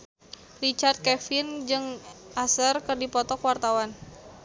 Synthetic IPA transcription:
rit͡ʃart̪̚kɛfɪnd͡ʒɨŋʔasərkɨrdipɔt̪ɔkwart̪awan

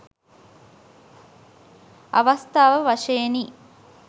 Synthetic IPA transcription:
ɐʋɐst̪ʰaːʋəʋɐʂɐjeniː

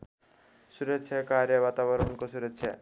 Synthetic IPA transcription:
ʃuɾet͡ɕʰekaɾeβat̪abɔɾoŋkoʃuɾet͡ɕʰe

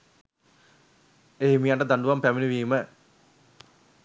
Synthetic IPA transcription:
eɦimijaɳʈəd̪aɳɖuʋampæminiʋiːmə

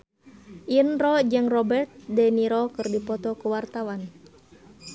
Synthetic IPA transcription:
ʔinrɔd͡ʒɨŋrɔbɛrt̪̚dɛniɾɔkɨrdipɔt̪ɔkuwart̪awan

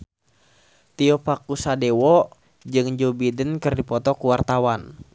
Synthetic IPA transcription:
t̪iɔpakusadewɔ | d͡ʒɨŋd͡ʒobidənkɨrdipɔt̪ɔkuwart̪awan

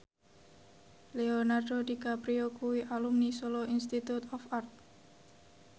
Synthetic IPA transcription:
leonardodikapɾiokuwiʔalumnisoloinst̪it̪ut̪ɔfart̪̚

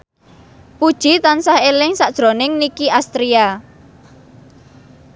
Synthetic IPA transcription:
pud̥ʒ̥i̤t̪ansahelɪŋsaʔd̥ʒ̥ɾo̤nɪŋnikiʔast̪ɾia

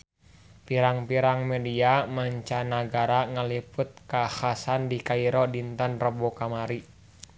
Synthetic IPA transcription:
piɾaŋpiɾaŋmɛdiamaɲt͡ʃanaɡaɾaŋalipʊt̪̚kahasandikaiɾɔdint̪ənrəbɔkamaɾi

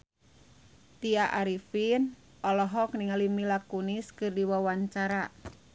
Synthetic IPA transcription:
t̪iaʔaɾifin | ʔɔlɔɦɔk̚niŋalimilakuniskɨrdiwawaɲt͡ʃaɾa

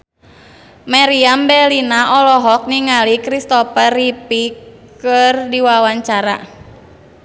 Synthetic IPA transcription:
maɾiambɛlinaʔɔlɔɦɔk̚niŋalikɾist̪ɔpəripikɨrdiwawaɲt͡ʃaɾa

